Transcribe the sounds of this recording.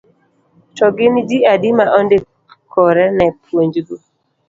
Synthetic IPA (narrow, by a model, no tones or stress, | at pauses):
tɔɡɪnd͡ʒiadimaʔɔndɪ | kʰɔɾɛnɛpʰwoɲd͡ʒɡu